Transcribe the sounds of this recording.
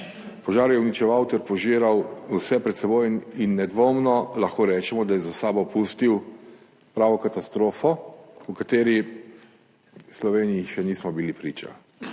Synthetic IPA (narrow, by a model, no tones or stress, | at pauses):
pɔʒaːɾjɛwnit͡ʃɛʋawt̪ɛɾpɔʒiːɾawwsɛpɾɛt̪sɛbojinːɛd̪ʋoːmnɔlaxkoːɾɛːt͡ʃɛmɔd̪ajɛzasaːbɔpuːst̪iw | pɾaːʋɔkat̪ast̪ɾoːfɔukat̪eːɾi | slɔʋeːnijiʃɛnismɔbilipɾiːt͡ʃa̰